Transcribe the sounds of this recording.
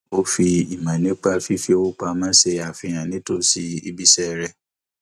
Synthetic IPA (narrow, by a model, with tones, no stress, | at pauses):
o˧fi˧i˨mã˨nĩ˨˦k͡pa˦fi˦fi˦o˧˦wu˦k͡pa˧mãː˦se˧a˨fĩ˧j̃ã˨nĩ˨˦to˦si˦i˧bi˦sɛ˦ɾɛ˧